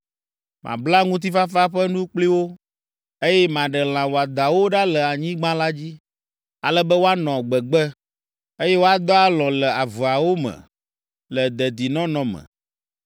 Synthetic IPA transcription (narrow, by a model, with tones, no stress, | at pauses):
mʔã̰˨bla˦ŋũ˦t̪̬i˦fa˦fa˦ɸɛ˦nũ˦k͡pli˦wo˦ | e˦jɛ˦mã˨ɖɛ˨l̃ã˨wo˨a˨d̪a˨wo˦ɖa˦lɛ˨a˨ɲĩ˦ɡ͡bã˦la˦d͡ʑi˦ | a˨lɛ˦bɛ˦wo˦a˦nɔ̃˨ɡ͡bɛ˨ɡ͡bɛ˦ | e˦jɛ˦wo˦a˦d̪ɔ˦a˦lɔ̃˨lɛ˨a˨vu˨a˨wo˦mɛ̰̃˨ | lə˨d̪ɛ˨d̪i˨nɔ̃˦nɔ̃˨mə̰̃˨